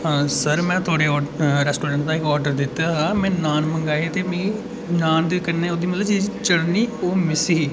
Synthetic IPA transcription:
aːsəɾmɛ̃ːt̪ʰʊaːɽeːɔːɾɛːsʈoːɾɛ̃ːɳʈ̚d̪ãːɪkɔːɾɖəɾd̪ɪt̪ːaːaːmɛ̃ːnaːnməŋɡaːeːt̪eːmĩː | naːnd̪eːkənːẽːoːd̪iːmət̪ləbt͡ʃiːd͡ʒt͡ʃəɽniːoːmɪsiː

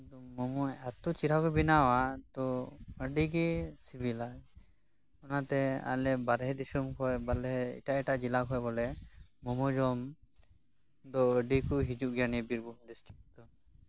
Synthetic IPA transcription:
d̪ɔmɔmɔɛt̪ut͡ʃiɾakɔbinawat̪ɔəɖiɡisibilad͡ʒ | ɔnat̪ɛa̰lɛbaɾɛɦɛd̪isumkʰɔjbalɛɦɛḭʈaʔɛʈaʔd͡ʒilakʰɔjbɔlɛmɔmɔd͡ʒɔm | d̪ɔəɖikuɦid͡ʒuʔɡjanibiɾbuɖisʈɾik̚d̪ɔ

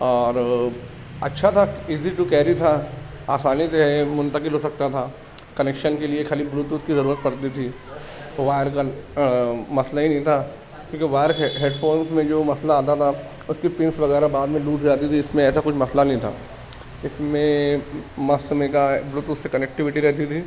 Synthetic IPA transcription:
ɔːɾ | ɐ̰tːʃʰat̪ʰaɪːziʈukɛːɾit̪ʰa | aːsaːnit̪eɦemʊ̃nt̪əkɪlɦosɐk̚t̪at̪ʰaː | kɐneːkʃənkeliekʰaːlibluːt̪ut̪kizɐɾuːɾət̪̚pɐɽt̪it̪ʰi | ʋaːjəɾka | mɐslaɦinɐɦĩt̪ʰa | kjõːkeʋaːjəɾɦeːɖfʰoːɾnsmẽd͡ʒoːmɐslaːt̪at̪ʰa | ʊskipɪ̃nsʋɐɣɛːɾabaːd̪mẽluːzaːt̪it̪ʰiɪsmẽɛːsakʊt͡ʃʰmɐslanɐɦĩt̪ʰa̰ː | ɪsmẽ | mɐsmẽkabluːt̪usːekɐnek̚ʈɪʋɪʈiɾɛɦt̪it̪ʰiː

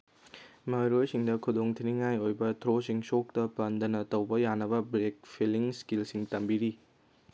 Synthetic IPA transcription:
mɐɾojsiŋdɐkʰudoŋtʰiniŋajojbɐtʰɾosiŋsok̚tɐpandɐnɐtɐwbɐjanːɐβɐbɾek̚pʰiliŋskilsiŋtɐmbiɾi

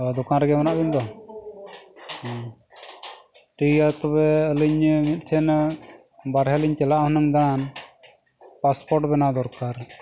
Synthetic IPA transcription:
ɔd̪ɔkanɾɛɡɛmanaʔbimd̪ɔ | ʈijat̪ɔbɛəliɲmit̪̚ˀt͡ʃʰɛn | baɾɦɛliɲt͡ʃɛlaʔhɔnəŋd̪aan | paspɔɾʈbɛnad̪ɔɾkaɾ

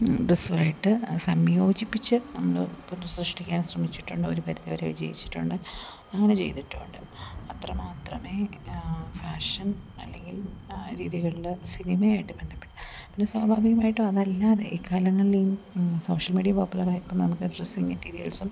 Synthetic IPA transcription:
ɖresuʋaːjiʈːɨsɐmjo̞ːd͡ʑipːit͡ɕːɨnɐmːɐɭɨpunːusrɨʂʈikʲːaːnsrɐmit͡ɕːiʈːuɳɖɨoɾukɐɾɐðiɐʋɐɾeʋid͡ʑɐ̰jit͡ɕːi̥ʈːuɳɖɨ | ɐŋːɐnet͡ɕe̞̰jt̪iʈːuːɳɖɨ | ɐt̪rɐmaːt̪rɐme̞ː | faːʂɐnɐ̰lːe̞ŋɡilɾḭːðiɣɐɭilsinimɐjaːjiʈːɨbend̪ipːi̥ʈːupinːeswaːbʱaːbiɣɐmaːjiʈːɨɐðɐlːaːðe̞̰ʔiːkːaːlɐŋːɐɭiso̞ːʂɐlmiːɖijɐpoːpːulɐraːjikːumnːɐnɐmukːɨrisiŋmɐtːiːɾijɐ̰lsum

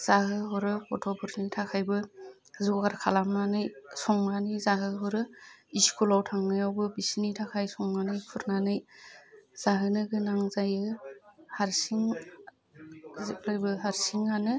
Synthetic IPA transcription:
z̥aɦɯɦɔɾɯpʰɔtʰɔpʰɯɾnitʰakʰajbɯ | zɔɡaɾkʰalamnanɯjsɔŋmanizaɦɯɦɔɾɯiskulawtʰaŋnɯjawbɯbisinitʰakʰajsɔŋmanɯjkʰuɾnanɯj | z̥aɦɯnɯɡɯnaŋzajɯhaɾsiŋ | zip̚lajbɯɦaɾsiŋanɯ

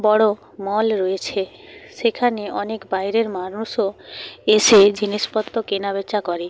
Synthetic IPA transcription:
bɔɽo | mɔlɾoet͡ɕʰe | ʃekʰaneɔnekbajɾeɾmaɾnuʃoeʃed͡ʑiniʃpɔt̪ːokenabet͡ɕːakoɾe

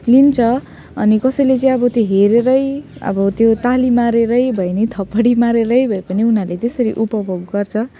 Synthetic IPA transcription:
lint͡sʰʌ | ʌ̰nikʌsʌjlet͡sʌĩʌbʌt̪joɦeɾeɾʌjʌ̰bʌt̪jot̪alimaɾeɾʌjbʱʌjnet̪ʰʌpːʌɽimaɾeɾʌjbʱʌepʌniunarlet̪esʌɾiʔupʌbʱoɡɡʌrt͡sʰʌ

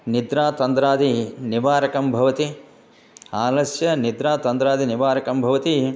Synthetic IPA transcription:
nid̪ɾaːt̪ɐnd̪ɾaːd̪ʱiniʋaːɾɐkɐmbʱɐʋɐt̪i | aːlɐsjɐnid̪ɾaːt̪ɐnd̪ɾaːd̪ʱiniʋaːɾɐkɐmbʱɐʋɐt̪i

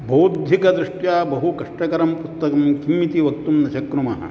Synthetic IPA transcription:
bɐːd̪ʱjikɐd̪ɾuʂʈjaːbɐɦukɐʂʈɐkɐɾɐmpust̪ɐkɐmkimːit̪iʋɐk̚t̪umnɐʃɐkɾumɐɦɐ̰

